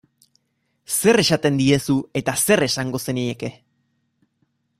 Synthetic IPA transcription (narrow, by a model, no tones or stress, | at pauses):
se̞re̞sat̪e̞nd̪ie̞sue̞t̪ase̞re̞saŋɡo̞se̞nieke̞